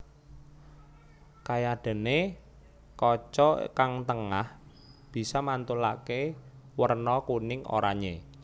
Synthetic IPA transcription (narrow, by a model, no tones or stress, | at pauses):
kajaɖ̥ə̤ne | kɔt͡ʃɔkaŋt̪əŋah | b̥i̤sɔmant̪ulakewərnɔkunɪŋʔo̰ɾaɲe